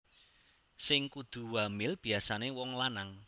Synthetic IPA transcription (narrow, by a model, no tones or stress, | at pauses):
sɪŋkud̪̥ṳwamɪlb̥i̤asanewɔŋlanaŋ